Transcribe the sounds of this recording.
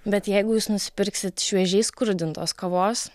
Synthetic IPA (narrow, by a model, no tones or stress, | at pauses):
bʲɛt̪jɛɪɡʊjuːsnʊsʲɪ̥pʲɪɾʲksʲɪt̪ʃʲʋʲiɛʒʲɛɪskʊɾʲd̪ʲɪnt̪oːskɐʋoːs